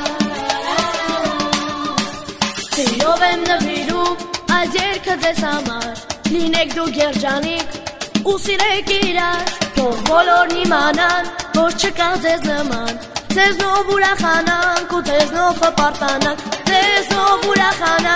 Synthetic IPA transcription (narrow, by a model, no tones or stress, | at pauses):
siɾɔvɛmnəviɾuɑjd̪jɛɾkʰəd͡zɛzhɑmɑɾlinɛk̚ʰd̪uɡɛɾd͡ʒɑnikʰusiɾɛkiɾɑɾvɔʁbɔlɔɾnimɑnɑnvɔɾt͡ʃʰəkɑd͡zɛznəmɑn | d͡zɛznɔvuɾɑχɑnɑŋkud͡zɛznɔfʰəpɑɾt̪ɑnɑŋkʰd͡zɛznɔvuɾɑχɑnɑ